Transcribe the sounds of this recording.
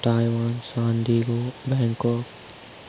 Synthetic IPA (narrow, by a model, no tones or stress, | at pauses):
t̪aːjwaːnsaːnd̪iːɡobɛŋkɔːk